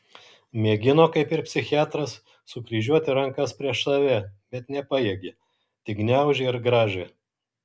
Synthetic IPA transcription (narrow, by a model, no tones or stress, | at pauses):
mʲeːɡʲɪnoːkɐɪpɪɾpʲsʲɪxʲɪæːt̪ɾɐsː | ʊkɾʲiːʒʲuɔt̪ʲɪɾɐŋkɐspʲɾʲiɛʃsɐʋʲɛbʲɛt̪nʲɛpɑjeɛɡʲe | t̪ʲɪɡnʲæˑʊʒʲeɪɾɡɾɑːʒʲɛ